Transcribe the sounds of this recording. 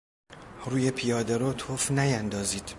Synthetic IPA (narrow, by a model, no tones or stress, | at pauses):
ruːjepʰijɒːd̪eɾɔt̪ʰofnæjænd̪ɒːziːd̪̥